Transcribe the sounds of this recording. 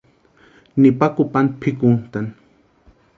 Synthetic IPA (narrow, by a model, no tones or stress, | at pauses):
nipakupant̪̚pʰikunt̪an